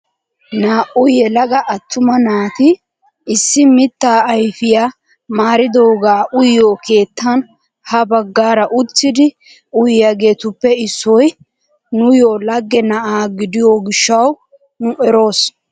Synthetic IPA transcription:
naːʔʊjɛlɐɡɐʔɐt̪ːʊmɐnaːt̪ɪ | ɪsːɪmɪt̪ːaːjfɪja | maːɾɪd̪oːɡaːʔʊjːoːke̞ːt̪ːɐn | hɐbɐɡːaːɾɐʔʊt͡sːɪd̪ɪ | ʊjɪjɐɡe̞ːt̪ʊpːɛɪsːɔj | nʊjoːlɐɡːɛnɐʔaːɡɪd̪ɪjoːɡɪʃːɐw | nʊʔɛɾo̞ːs

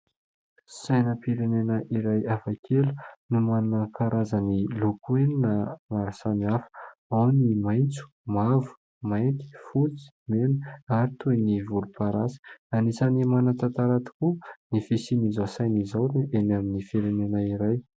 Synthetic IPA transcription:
sajnəpiɾenenəʔiɾajafakʰelu̥numanakʰaɾʔazənilokuweninəmaɾasaniafə̥awnimajnt͡su̥mavu̥ | majt̪i̥fut͡si̥meniaɾit̪univulupaɾasi̥anisanimanat̪at̪aɾat̪i̥kunifisinizowsajnizawniʔenaminifiɾenenaiɾaj

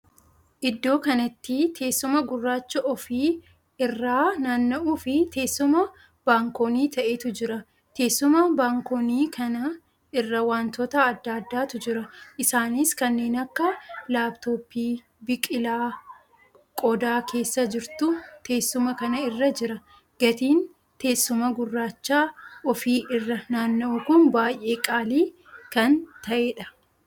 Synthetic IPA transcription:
ʔɪd̪ːo̞ːkɐnɐt̪ːɪt̪ʰe̞ːsːʊmɐɡʊrːaːt͡ʃːɐʔɔfiː | ɪrːaːnɐnːɐʔuːfɪt̪e̞ːsːʊmɐ | b̥aːŋkoːniːt̪ʰɐʔeːt̪ʊd͡ʒɪɾɐ | t̪ʰe̞ːsːʊmɐbaːŋkoniːkʰɐnɐ | ɪrːɐwaːnt̪ɔt̪ɐɐd̪ːaːd̪ːaːt̪ʊd͡ʒɪɾɐʔɪsaːniskɐnːe̞ːnɐkːɐlaːbt̪o̞ːpːiː | bɪkʼɪlaː | kʼɔd̪aːkʰe̞ːsːɐd͡ʒɪɾt̪ʊt̪ʰe̞ːsːʊmɐkɐnɐɪrːɐd͡ʒɪɾɐ | ɡ̥ɐt̪iːn | t̪e̞ːsːʊmɐɡʊrːaːt͡ʃːaːʔɔfiːʔɪrːɐnaːnːɐʔʊkʊnbaːjʔe̞ːkʼaːliː | kɐnt̪ɐʔeːᶑɐ̥

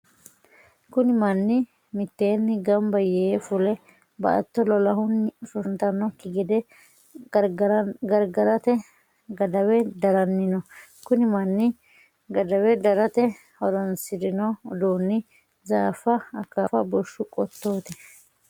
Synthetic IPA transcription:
kʊnɪmɐnːɪ | mɪt̪ːeːnːɪɡɐmbɐjefʊlɛ | bɐ̰ʔɐ̰t̪ːɔlɔlɐhʊnːɪsʊnt̪ɐnɔkɪɡɪd̪ɛ | ɡɐɾɡɐɾɐt̪ɛ | ɡɐd̪ɐwɛd̪ɐɾɐnːɪnɔkʊnɪmɐnːɪ | ɡɐd̪ɐwɛd̪ɐɾɐt̪ɛ | hɔɾɔnsɪd̪ɪnɔd̪uːnːɪ | zaːfːɐɐkːafɐbɔʃːʊkʼɔt̪ːo̞ːt̪ɛ̥

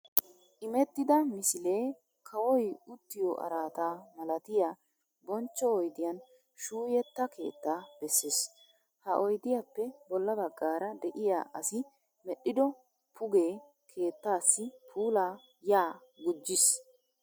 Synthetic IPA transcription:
ʔɪmɛt̪ːɪd̪ɐmɪsɪle̞ː | kʰɐwɔjʊt̪ːɪjɔʔɐ̰ɾaːt̪aːmɐlɐt̪ɪjaː | bɔnt͡ʃːɔɔjd̪ɪjɐn | ʃuːjɛt̪ːɐkʰe̞̰ːt̪ːaːb̥ɛsːes | hɐʔɔjd̪ɪjapːɛbɔlːɐbɐɡːaːɾɐd̪ɛʔɪja̰ːʔɐsɪ | mɛɗːɪd̪ɔ | pʰʊɡeː | kʰe̞ːt̪ːaːsːɪpʰuːlaː | jaː | ɡʊd͡ʒːɪs

